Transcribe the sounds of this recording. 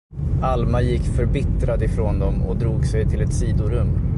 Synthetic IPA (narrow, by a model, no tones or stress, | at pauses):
almajɪkːfœɾbɪt̪ɾad̪ɪfɾoːnd̪ɔmɔ̰d̪ɾuːɡsɛjt̪ʰɪlɛt̪siːd̪ʊɾɵmː